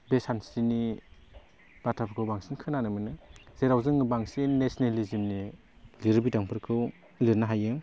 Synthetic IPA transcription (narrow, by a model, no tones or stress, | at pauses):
besansɾini | b̥atʰapʰkɯwbaŋsinkʰɯnanɯmɯnɯz̥eɾawzɯŋbaŋsinnːesnelizimni | liɾbidaŋpʰɯɾkʰɯw | liɾnaɦajɯŋ